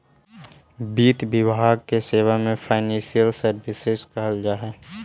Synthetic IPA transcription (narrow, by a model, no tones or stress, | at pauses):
biːt̪bɪbʱaːɡ̚keseːwamẽpʰaːɪnɛ̃sijəlsəɾbɪsɪzkəɦəld͡ʒaːɦɛː